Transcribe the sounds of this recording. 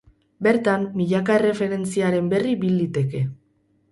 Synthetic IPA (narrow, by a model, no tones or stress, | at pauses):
be̞ɾt̪amːiʎakaere̞fe̞ɾe̞nt͡siaɾe̞mbe̞ribild̪it̪e̞ke̞